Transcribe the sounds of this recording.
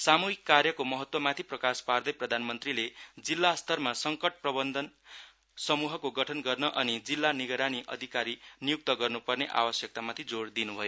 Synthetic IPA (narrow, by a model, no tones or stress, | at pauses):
samuɦikːarjʌkomʌɦʌt̪wʌmat̪ʰiprʌkaspard̪ʌjprʌd̪ʱanmʌnt̪riled͡zilːast̪ʰʌrmasʌŋkʌʈ̚prʌbʌnd̪ʱʌn | sʌmuɦʌkoɡʌʈʰʌnɡʌrnʌʔʌnid͡zilːaniɡʌɾaniʔʌ̰d̪ʱikaɾinijuk̚t̪ʌɡʌrnupʌrneʔa̰wʌsjʌk̚t̪amat̪ʰid͡zoɽd̪inubʱʌjo